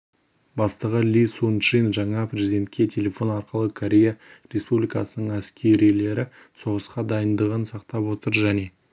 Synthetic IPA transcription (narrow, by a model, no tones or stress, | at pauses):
bɑst̪əʁəlʲisunʃinʒɑɴɑpɾʲezid̪ʲe̞nt̪̚kʲe̞t̪ʲʰe̞lʲe̞fo̞nɑɾqəlˠəkʰoɾʲe̞jaɾʲe̞spublijkɑsənəɴæskʲʰe̞ɾijle̞ɾɪ | so̞ʁəsqɑd̪ɑjənd̪əʁənsɑqt̪ɑpwo̞t̪əɾʒæne̞